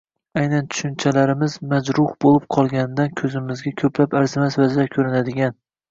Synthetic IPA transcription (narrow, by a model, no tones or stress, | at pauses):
ajnant̪ʰʊ̥ʃɪnt͡ʃʰalaɾɪmɪzmad͡ʒɾʊhbolˠɪp̚qʰɒlˠɡʲand̪ankʲʰɵzɪmɪzɡʲakʲʰɵplapaɾzɪmasvazɪakʲʰɵɾɪnad̪ɪɡʲan